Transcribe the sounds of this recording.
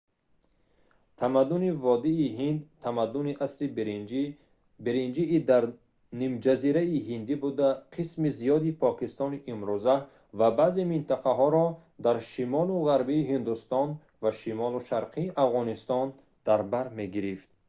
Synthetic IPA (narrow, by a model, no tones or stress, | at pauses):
t̪ʰamad̪ːunivɔd̪iːɦind̪t̪ʰamad̪ːuniʔasɾi | biɾind͡ʒiːd̪aɾ | nimd͡ʒaziɾaihind̪ibud̪aqʰismizijɔd̪ipʰɔkist̪ɔniʔimɾuza | vabazemint̪ʰaqaɦɔɾɔ | d̪aɾʃimɔluʁaɾbiːɦind̪ust̪ɔn | vaʃimɔluʃaɾqʰiːʔafʁɔnist̪ɔn | d̪̥aɾbaɾme̞ɡiɾift̪̚